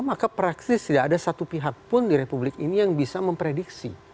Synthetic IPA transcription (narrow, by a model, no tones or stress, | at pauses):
makapɾaksɪst̪idaːdasat̪upiɦak̚pʊndiɾepublɪkinijaŋbisaməmpɾediksi